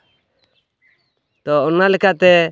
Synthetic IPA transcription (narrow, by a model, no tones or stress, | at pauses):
t̪ɔɔnalɛkaʔt̪ɛ